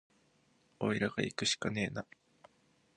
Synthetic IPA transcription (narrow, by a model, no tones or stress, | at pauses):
o̞̰eɾaɡ̥aikɯ̟ɕi̥kane̞ːna